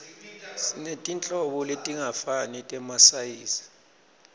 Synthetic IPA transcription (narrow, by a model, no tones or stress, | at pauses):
sinetʼint͡ɬʼɔɓɔletʼiŋafanɛtʼɛmasajiːsi̥